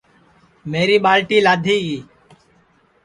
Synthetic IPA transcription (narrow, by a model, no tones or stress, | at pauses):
meːɾiːɓaːlʈiːlaːd̪ʱiːiː